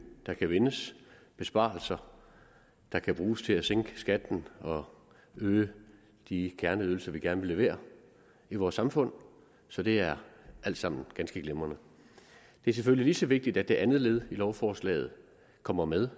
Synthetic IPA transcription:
d̥ɑ̈kʰæʋe̝nəsb̥e̝sb̥ɑ̰̈l̩sɐ | d̥ɑ̈kʰæb̥ʁuːst͡sʰe̝læseŋ̰ɡ̥əsɡ̥æd̥n̩ɒ̽ | øː | d̥ikʰæɐnəyːðˠl̩sɐʋiɡ̥æɐnəʋe̝le̝ʋe̝̰ːɐ | iʋɒːsːɑ̈mfɔ̽n̰ | sɒ̽d̥e̝æɐʔæl̰d̥sɑ̈m̰n̩ɡ̥ænsɡ̥əɡ̥lemɐnə | d̥e̝æɐs̬eføl̰iliːsɒ̽ʋe̝ɡ̥̚d̥id̥æd̥e̝ʔænð̞̩ˠle̝ːð̞ˠilɒʊfɒːslɛ̰ːð̩ˠ | kʰɒ̽m̰ɐmeðˠ

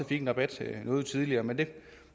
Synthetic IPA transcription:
fiɡ̥enʁɑ̈b̥æd̥nɔ̽ːð̩ˠt͡sʰið̞ˠliɐːmend̥e̝

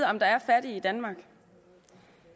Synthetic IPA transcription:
ɒ̽md̥ɑ̈æɐfæɐɾ̥iːd̥ænmɑ̈ɡ̥

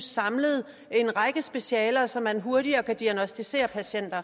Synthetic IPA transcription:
sːɑ̈mləð̞̩ˠ | e̝nʁɑ̈ɡ̥əsb̥e̝ɕɛːlɐsɒ̽mːænɦo̝ɐɾiɐkʰæd̥iænɒ̽sd̥ise̝̰ːɐpʰæɕen̰d̥ɐ

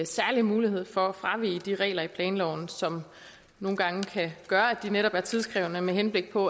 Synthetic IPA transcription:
sæɐlimuːlihe̝ð̞̰ˠfɒ̽æfʁɑ̈ʋḭːd̥iʁɛ̰ːlɐipʰlɛːnlɒʊn̩sɒ̽m | no̝ːn̩ɡ̥ɑ̈ŋəkʰæɡ̥ɶːɐæd̥ineɾɒ̽b̥æɐt͡sʰiðˠsɡ̥ʁɛ̰ʊnəmeɦenb̥le̝ɡ̥̚pʰɒ̽

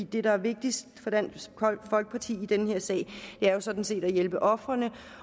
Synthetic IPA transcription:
ḭːd̥e̝ɾɑ̈æɐʋe̝ɡ̥̚d̥isd̥fɒ̽d̥ænʰfɒ̽lɡ̥əpʰɑ̈t͡sʰḭːid̥enəhe̝ɐ̰sɛ̰ːɪd̥e̝æɐjo̝sɒ̽d̥n̩se̝̰ːd̥æjelb̥əʔɒ̽fʁɐnə

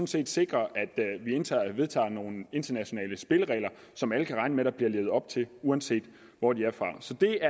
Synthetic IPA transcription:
ɔ̽n̩se̝̰ːd̥se̝ɡ̥ʁɐʔæd̥ʋie̝nt͡sʰɑ̈ːʋe̝ð̞ˠt͡sʰɑ̰̈ːno̝ːn̩e̝nd̥ɐnæɕo̝nɛ̰ːləsb̥e̝ləʁɛ̰ɪlɐ | sɒ̽mæləkʰæʁɑ̈ɪnəmeɾ̥ɑb̥liɐle̝ːʊð̩ˠɒ̽b̥̚t͡sʰe̝luænse̝̰ːd̥ | ʋɒd̥iæɐfʁɑ̈sɒ̽d̥e̝æɐ

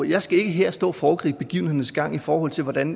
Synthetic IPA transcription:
jɑ̈ɪsɡ̥æe̝ɡ̥əɦeɐ̰sd̥ɔ̰̽ːfɒːkʰʁḭːb̥e̝ɡ̥iʊn̩he̝ðɐn̩sɡ̥ɑ̈ŋ̰ifɒːhɒ̽l̰t͡sʰe̝lʋɒd̥æn

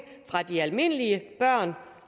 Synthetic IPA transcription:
fʁɑ̈d̥iælme̝n̰əliəb̥ɶɐ̰n

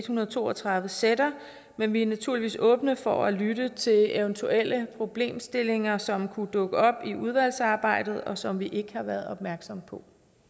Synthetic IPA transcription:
d̥hunɐð̩ˠt͡sʰo̝̰ːɒt͡sʰʁɑ̈ðˠʋəseɾɐ | menʋiænæt͡sʰuɐ̰liʋḭːsɔ̽ːb̥nəfɒælyɾət͡sʰe̝leʊnt͡sʰuel̰əpʰʁo̝b̥le̝̰ːmsd̥e̝le̝ŋɐsɒ̽mkʰud̥ɔ̽ɡ̥əɒ̽b̥iuð̞ˠʋæl̰sɑ̈ːb̥ɑ̈ɪ̰d̥ð̩ˠɒ̽sɒ̽mʋiʔe̝ɡ̥əhɑ̈ʋæɐð̞̩ˠɒ̽b̥̚mæɐɡ̥sɒ̽mpʰɒ̽

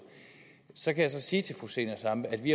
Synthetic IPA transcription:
sɒ̽kʰæjäsɒ̽siːt͡sʰe̝lfʁuse̝ːnɐsɑ̈məæd̥ʋiæ

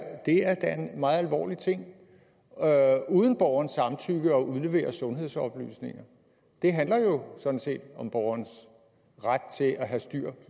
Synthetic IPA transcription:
d̥e̝æɐd̥æe̝nmɑ̈ːð̩ˠælʋɒ̰ːlit͡sʰe̝ŋ̰ | uːð̞ˠən̩b̥ɒːʊɐnsːɑ̈mt͡sʰyɡ̥əɒ̽ʔuð̞ˠle̝ʋe̝̰ːɐsɔ̽nɦe̝ð̞̰ˠsɒ̽b̥ly̰ːsne̝ŋɐ | d̥e̝ɦænlɐjo̝sɔ̽d̥n̩se̝̰ːd̥ɒ̽mb̥ɒʊɐns | ʁad̥̚t͡sʰe̝lʔæɦæsd̥yɐ̰

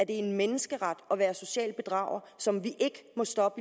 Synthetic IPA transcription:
æɐd̥e̝enmenəsɡ̥əʁad̥ɒ̽ʋæːɐso̝ɕɛ̰ːlb̥e̝d̥ʁɑ̰̈ʊ̰ɐsɒ̽mʋiʔe̝ɡ̥əmɒ̽sd̥ɒ̽b̥ə

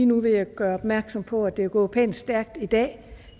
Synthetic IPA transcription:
iːnuʋe̝jæɡ̥ɶːɐɒ̽b̥mæɐɡ̥sɒ̽mpʰɒ̽æd̥e̝eɡ̥ɔ̰̽ːpʰɛ̰nsd̥æɐɡ̥̚d̥id̥ɛ̰ː

